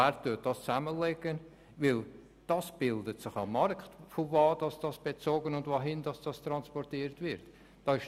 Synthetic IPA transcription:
ættʊt̚d̥ɑst͡sæməlɛɡən | vɪl | d̥ɑsb̥ɪldətsɪχɑmːɑɾkχtfovɑːd̥ɑsd̥ɑsb̥et͡soːɡənʊndvoɦɪndɑsd̥ɑst̪ɾɑnspɔɾtiːɾtvɪɾt | d̥ɑɪʃ

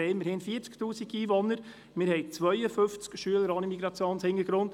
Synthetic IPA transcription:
ɪməɾhɪnfiəɾt͡sktuːsiɡiːvonːəɾ | mɪɾhɛɪt͡svœʏjəfɵnft͡skʃyələɾɑnəmiɡɾɑt͡sjoːnshɪŋəɾɡɾʊnt

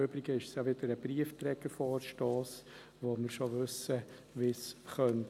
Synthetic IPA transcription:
øbɾiɡəɪʃəsjaʋɪd̥̪əɾəbriəft̪ɾɛɡəɾfɔːɾʃtɑːs | ʋoməɾʃoʋʏsə | ʋisχœnt

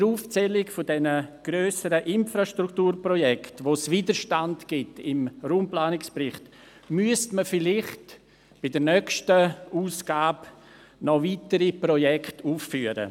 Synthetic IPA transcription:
əɾuːft͡sɛlɪkfʊdɛnəɡ̥ɾøːsəɾəʔɪnfɾaʃtɾuktuːɾprɔjɛktʋosviːdəɾʃtandɡ̥ɪtɪmɾuːmplaːnɪkspɾɪχtmyəstməfɪlɪχt | b̥ɪdəɾnœkʃtəuːsɡ̥aːb | nɔviːtəɾipɾɔjɛktuːffyːəɾə̰

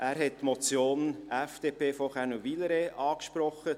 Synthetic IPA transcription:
ʔæːɾɦɛtːmɔt͡sjoːnɛfd̥eːpʰeːfɔχɛnuʋiləɾeʔɑːkʃpɾɔχə

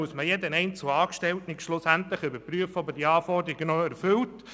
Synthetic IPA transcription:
usməjɛd̪ənɛɪnt͡səl̩ɑːkʃtɛltnɪkʃlʊsæntləχʏbəɾpryəfɔbəd̥iɑːfɔrd̪ɾiɡənɔæɾfʏlt

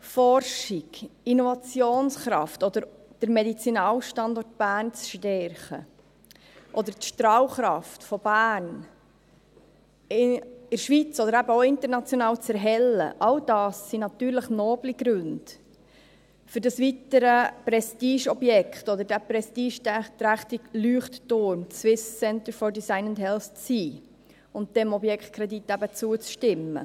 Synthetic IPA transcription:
fɔrʃiɡinovɑt͡sjoːnsχɾɑ̰ftɔd̥̪əɾ | d̥əɾmɛdit͡sinɑːwʃtɑndɔrt̚b̥æːnt͡sʃtɛɾχə | ʔɔd̪əɾtʃtɾɑːwχɾɑftfɔb̥æːn | ɪɪɾʃʋit͡sɔd̪əɾæbəoɪnt̪əɾnɑt͡sjonɑːwt͡sɛɾɦɛlːə̰ʔɑld̥ɑːsːinɑt̪yːɾləχnoːbliɡɾʉnd̥ | fʏɾdɑsʋitəɾəpɾɛstiːʃɔbjɛkχt̪ɔd̪əɾdæpɾɛstiːʃtt̪ɾæχt̪iɡlyːχttʊɾmt͡sʋɪssɛnt̪əɾfɔɹdisaɪnəndɦɛlθt͡siː | ʊnt̚d̥ɛmɔbjɛkχt̚kʰɾɛd̪it̪ːæbət͡suət͡sʃtɪmːə̰

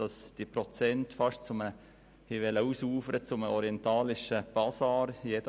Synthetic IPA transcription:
ɑsd̥ipɾɔt͡sɛntfɑʃt͡sʊməə | hiʋɛləuːsuːfəɾət͡sʊməɔɾiɛntɑːlɪʃəb̥ɑsɑːɾjɛdə

